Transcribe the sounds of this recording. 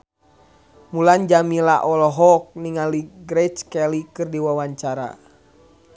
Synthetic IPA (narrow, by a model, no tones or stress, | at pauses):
muland͡ʒamilaʔɔlɔɦɔk̚niŋaliɡɾɛt͡ʃkɛlikɨrdiwawaɲt͡ʃaɾa̰